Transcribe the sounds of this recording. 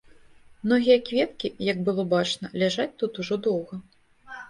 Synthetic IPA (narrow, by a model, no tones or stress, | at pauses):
mnɔɣʲijɐkvʲɛt̪kʲijɐɡ̚bɨlˠɔbat͡ʂnɐlʲaʐat͡sʲt̪ut̪uʐɔd̪ɔwɣɐ